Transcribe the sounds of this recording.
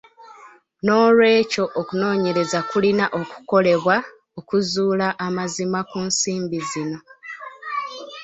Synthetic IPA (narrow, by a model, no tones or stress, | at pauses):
no̞ːlwe̞ːco̞ʔokuno̞ːɲe̞ɾe̞zakulinaʔoku̥ko̞le̞βwa | okuzuːlaʔːmazimakunsiːmbizino̞